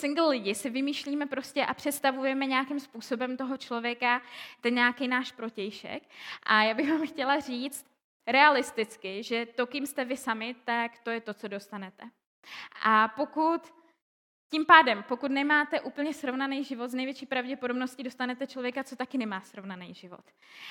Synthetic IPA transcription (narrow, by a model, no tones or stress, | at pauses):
sɪŋɡl̩ːɪɟɪsɪvɪmiːʃliːmɛpɾo̞scɛʔapr̥ɛt̪st̪avujɛmɛɲɛakɪmspuːso̞bɛmt̪o̞ɦo̞t͡ʃlo̞vjɛkat̪ɛnɲaːkejnaːʃpɾo̞cɛjʃɛ̰kʔajaːbɪɣvaːmxcɛlar̝iːt͡st̪̚ | ɾɛalɪst̪ɪt͡skɪʒɛt̪o̞kɪmst̪ɛvɪsamɪt̪akt̪o̞jɛt̪o̞t͡so̞do̞st̪anɛt̪ɛ | ʔapo̞kut̪ | cimpaːdɛmpo̞kut̪nɛmaːt̪ɛʔuːpl̩ɲɛsɾo̞vnanɛjʒɪvo̞t̪znɛjvjɛt͡ʃiːpɾavɟɛpo̞dobno̞scɪdo̞st̪anɛt̪ɛt͡ʃlo̞vjɛkat͡so̞t̪akɪnɛmaːsɾo̞vnanɛjʒɪvo̞̰t̪